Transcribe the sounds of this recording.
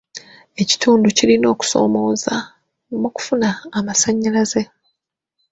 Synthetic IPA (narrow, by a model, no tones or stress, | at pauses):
e̞ci̥tʰuːnducilino̞ːku̥so̞̰ːmo̞ːza | muku̥funaːmasaɲːalaze̞